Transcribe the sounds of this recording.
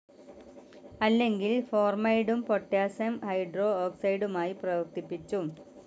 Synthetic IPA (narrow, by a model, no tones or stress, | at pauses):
ɐlːe̞ŋɡilfo̞ːrmɐjɽumpoʈːjaːsɐmhɐjɖro̞ːoːksɐjɖumaːjiprɐʋɐkt̪ipːit͡ɕːum